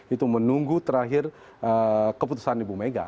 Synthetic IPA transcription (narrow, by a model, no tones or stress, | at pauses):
it̪umənuŋɡut̪əɾaɦir | əkəput̪u̥sandibumeɡa̰